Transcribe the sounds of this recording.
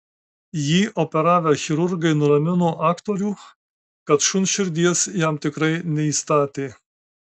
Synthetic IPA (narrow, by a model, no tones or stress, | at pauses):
jiːʔopʲɛɾɑːʋʲɛxʲɪɾʊɾɡɐɪnʊɾɐmʲɪnoːʔɑːkt̪oːɾʲuː | kɐt̪ʃʊnʃʲɪɾʲd̪ʲiɛsjæmt̪ʲɪkɾɐɪnʲɛiːst̪ɑːt̪ʲeː